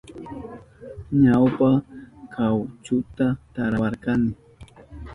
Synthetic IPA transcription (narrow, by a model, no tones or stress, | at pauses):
ɲawpakʰawt͡ʃʊt̪at̪aɾawɑɾkɑnɪ